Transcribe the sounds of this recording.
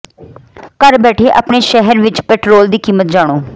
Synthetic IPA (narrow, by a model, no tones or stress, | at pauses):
kəɾbɛːʈʰeːʔəpɳeːʃɛɦəɾʋɪt͡ʃpɛːʈɾoːld̪iːkiːmət̪̚d͡ʒaːɽ̃oː